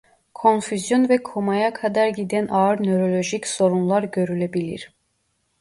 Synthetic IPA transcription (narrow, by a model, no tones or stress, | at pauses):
kʰo̞nfyzjonvɛkʰomajakʰad̪aɾɟid̪ænʔaɯɾnøɾo̞lʲo̞ʒicso̞ɾunlˠaɾɟø̞ɾylʲæbilʲḭɾ̥